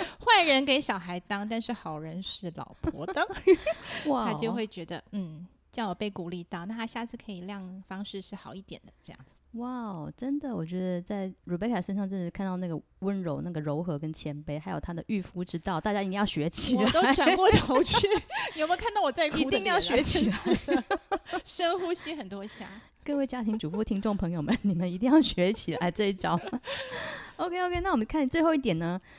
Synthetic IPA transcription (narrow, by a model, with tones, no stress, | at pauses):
xwa˥˩ɪɻə˧˥nke˧˥ɪɕjɑ˨˩ʊxa˧˥ɪt̪ɑ˥ŋt̪a˥˧nʂɻ̩˥˩xɑ˨˩ʊɻə˧˥nʂɻ̩˥˩lɑ̰˨˩ʊpʰɔ̰˧˥t̪ə˦ | watʰa˥t͡ɕjo˥˧ʊxwe˥˩ɪt͡ɕɥɛ˧˥d̪ə̰˧n̩˥˩ | ɕjɑ˥˩ŋwɔ˨˩pe˥˩ɪku˨˩li˥˧t̪ɑ˥˩ʊna˥˩a˥ɕja˥˧t͡sʰɹ̩˥˩kʰɤ˧˥i˨˩ljɑ˥˩ŋfɑ˥ŋʂɻ̩˥˧ʂɻ̩˥˩xɑ˨˩ʊi˥˩t̪jɛ̰˨˩nd̪ə˦ʈ͡ʂɤ˥˧jɑ̰˥˩ŋd͡zɹ̩˩wa˥˩ʊʈ͡ʂə˥nd̪ə˨wɔ˨˩t͡ɕɥɛ˧˥d̪ə˧t͡sa˥˩ɪɻu˨˩pe˧˥ɪkʰa˨˩ʂə˥nʂɑ˥˧ŋʈ͡ʂə˥˧nʂ̩˥kʰa˥˧nt̪ɑ˥˧ʊna˥˩ɡə˩ | wə˥nɻo˧˥ʊna˥˩ɡə˩ɻo˧˥ʊxɤ˧˥kə˥nt͡ɕʰjɛ˧˥npe˧ɪxa˧˥ɪjo˨˩ʊt̪ʰa˥d̪ə˨ʔy˥˩fu˥ʈ͡ʂɻ̩˥t̪ɑ˥˩ʊt̪a˥˩t͡ɕja˥˧t̪i˥˧jɑ˥˩ʊɕɥɛ˧˥t͡ɕʰi˨˩la˨t̪o˥ʊ˦ɪʈ͡ʂwa˨ŋkwɔ˥˩t̪ʰo˧˥ʊt͡ɕʰy˥˩jjʊm˧ŋkʰa˥˧nt̪ɑ˥˩ʊwɔ˨˩t͡sa˥˧ɪkʰi˧˥t̪ŋjjɑ˥˩ʊɕɥɛ˧˥t͡ɕʰi˨˩la˨˧ɪ˥ | ʂə˥nxu˥ɕi˥xə˨˩nt̪wɔ˥ɕja̰˧˥˦ | kɤ˥˧we˥˩ɪt͡ɕja˥t̪ʰi˧˥ŋʈ͡ʂu˨˩fu˥˩t̪ʰi˥ŋʈ͡ʂʊ˥˩ŋpʰɤ˧˥ŋjo˨˩ʊmə˦nni˨˩mə˨ni˧t̪̬i˥˧ŋjɑ˥˩ʊɕɥɛ˧˥t͡ɕʰi˨˩la˧˥ɪʈ͡ʂɤ˥˧i˥ʈ͡ʂɑ˨˥˦ʊ | o˧kʰe˥ɪo˧˥ke˥na˥˩wɔ˨˩mə˦ŋkʰa˥˩nt͡swe˥˧ɪxo˥˧ʊi˥˩t̪jɛ˨˩nə˦